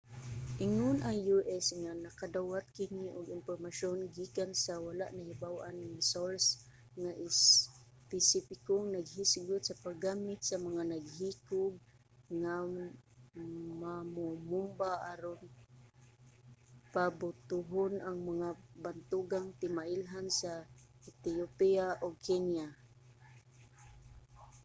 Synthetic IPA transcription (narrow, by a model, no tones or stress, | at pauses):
ʔɪŋʊnʔaŋjuʔɛsŋanakad̪awat̪̚kɪniʔʊɡɪnpormaʃonɡikansawalaʔnahibawʔanŋsols | ŋaʔɪs | pɪsɪpɪkoŋnaɡhisɡʊt̪sapaɡaːmɪt̪̚samaŋanaɡhikʊɡ̚ | ŋa | mamomumbaʔaɾoŋ | pabʊt̪ʊɦʊnʔaŋmaŋabant̪uɡaŋt̪ɪmaʔɪlɦansat̪iopiaʔoɡ̚kʰɛnja